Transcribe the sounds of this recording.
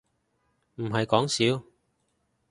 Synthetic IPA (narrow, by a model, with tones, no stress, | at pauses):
m̩˨˩ɦɐ˨jkɔː˨˥ŋsiː˨˥w